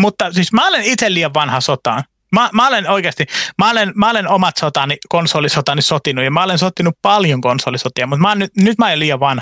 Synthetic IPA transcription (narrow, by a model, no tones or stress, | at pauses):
mut̪ːɑsismæolenit̪elliːɑʋʋɑnhɑsot̪ɑːn | mɑmæolenoikeɑst̪imæolenmæolenomɑt̪sot̪ɑnikonsoːlːˑisot̪ɑnisot̪inujjɑmæolensot̪ːinuppɑljoŋkonsoːlisot̪iɑmut̪mæːnnyt̪nyt̪mæleliːɑʋʋɑnhɑ